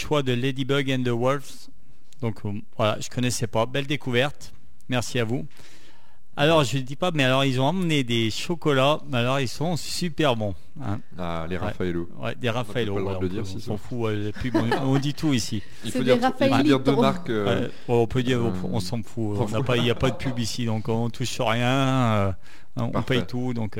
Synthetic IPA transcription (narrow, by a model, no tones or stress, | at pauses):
ʃwad̪əled̪ibœʁɡɛ̃nd̪əwɔlfs | d̪ɔ̃k | vwala̰ʒə̥kɔnɛsɛpabɛld̪ekuvɛʁt̪ | mɛʁsiavu | alɔʁʒəld̪ipamɛalɔʁilzɔ̃ɑ̃mned̪eʃɔkɔlamɛalɔʁilsɔ̃sypɛʁbɔ̃ | ɛ̰̃ | a | leʁaɛ̰faelo | wɛ̰d̪eʁafaelowad̪iʁ̃sɑ̃fuwɛlapybɔ̃ɔ̃d̪it̪uisi | iod̪iafaiʁd̪ømaʁkɛ | wɛɔ̃pød̪iʁ̃ | ɔ̰̃sɑ̃fũnapailjapad̪əpʰybisid̪ɔ̃kɔ̃ɔ̃t̪ʰuʃsyʁjɛ̃ø | ɔ̃pɛjt̪ud̪ɔ̃k